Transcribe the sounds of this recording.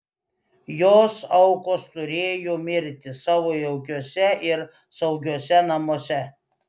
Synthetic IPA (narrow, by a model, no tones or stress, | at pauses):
joːsɐʊkoːst̪ʊɾʲeːjoːmʲɪɾʲt̪ʲɪsɑːʋoːjɛʊɡʲuɔsʲɛɪɾ | sɐʊɡʲuɔsʲɛnɐmosʲɛ